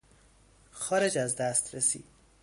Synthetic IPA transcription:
xɒːɾed͡ʒæzd̪æst̪ɾesḭː

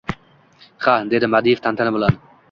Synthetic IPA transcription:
χad̪ed̪ɪmad̪ijft̪ʰant̪ʰanɪbɨlˠan

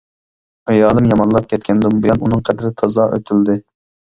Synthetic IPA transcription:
ɑjɑːlˠɨmjɑmɑnlˠɑp̚kʲɛt̪̚kʲʰɛnd̪umbɨjɑnunɨŋqʰɛd̪ɪɾɪt̪ʰɑzɑʔø̰t̪ʰyld̪ɪ

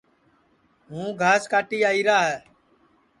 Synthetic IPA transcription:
ɦũːɡʱaːskaːʈiːaːiːɾaːɦɛː

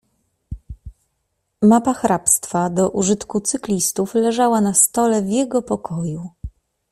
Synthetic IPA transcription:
mapaxɾapst̪fad̪ɔʔuʐɘt̪kut̪sɘklʲist̪uflɛʐawanast̪ɔlɛvʲjɛɡɔpɔkʰɔju

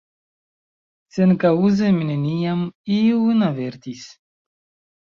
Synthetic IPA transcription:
senkauzemineniamiwnaveɾt̪is

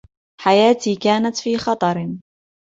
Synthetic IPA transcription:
ħajaːt̪iːkaːnat̪fiːxɑt̪ˤɑɾɪn

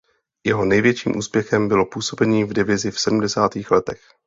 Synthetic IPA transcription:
jɛɦo̞nɛjvjɛt͡ʃiːmʔṵːspjɛxɛmbɪlo̞puːso̞bɛɲiːvdɪvɪzɪfsɛdumdɛsaːt̪iːxlɛt̪ɛx

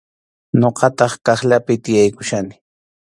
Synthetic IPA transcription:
ɲoqɑt̪ɑχkɑχʎapɪt̪ɪjajkʊʃanɪ

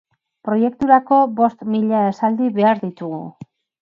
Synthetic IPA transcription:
pɾo̞je̞k̚t̪uɾako̞βo̞st̪miʎaesald̪iβe̞aɾðit̪uɣu

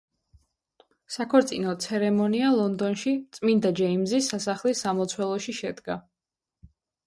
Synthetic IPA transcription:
sakʰɔɾt̪sʼinɔt̪sʰɛɾɛmɔnialˠɔnd̪ɔnʃit̪sʼmind̪ad͡ʒɛimzisːasaχlisamɔt̪sʰwɛlˠɔʃiʃɛd̪ɡa

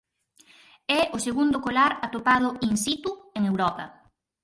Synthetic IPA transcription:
ɛʊseɣund̪ʊkolaɾat̪opað̞ʊinsit̪ueŋewɾɔpɐ̰

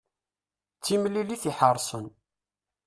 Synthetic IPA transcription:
t͡sːimliliθiħəɾˤsˤən

